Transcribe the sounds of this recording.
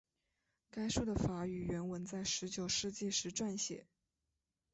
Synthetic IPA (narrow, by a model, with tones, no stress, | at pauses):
ka˥ɪʂu˥˩d̪ə˨fa˧˥y˨˩ɥɛ˧˥nwə˧˥nt͡sa˥˩ɪʂɻ̩˧˥t͡ɕjo˨˩ʊʂɻ̩˥˧t͡ɕi˥˧ʂɻ̩˧˥ʈ͡ʂwa˥˧nɕjɛ̰˨˩˦